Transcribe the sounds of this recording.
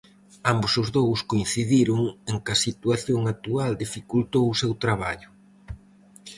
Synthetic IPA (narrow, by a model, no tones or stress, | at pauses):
ambʊsʊzðowskoin̟θiðiɾʊŋeŋkɐsit̪uaθjoŋak̚t̪uald̪ifikult̪owʊsewt̪ɾaβ̞aʎʊ